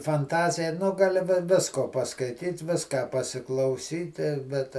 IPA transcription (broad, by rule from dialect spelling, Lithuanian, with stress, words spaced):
fɐnˈtɑːzʲɪjɛ ˈnʊ ɡɐˈlʲɪ ʋʲɪ ˈʋʲɪskoː pɐskɐɪˈtʲiːt ˈʋʲɪskɑː pɐsʲɪklˠɐʊˈsʲiːtʲɪ ˈbʲɛt